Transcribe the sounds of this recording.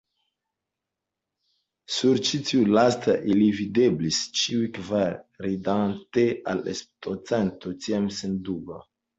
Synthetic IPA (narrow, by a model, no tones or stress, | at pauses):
suɾt͡ʃitʰiulastaʔilivideblist͡ʃiujkvaɾɾidantea̰lḛstot͡sentot͡ʃiamsenduba̰